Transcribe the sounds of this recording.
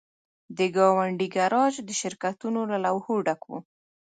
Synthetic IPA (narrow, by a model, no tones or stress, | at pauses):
d̪əɡɑwaɳɖiɡaɾɑd͡ʒd̪əʃɪɾkat̪unolalawhoɖakwṵ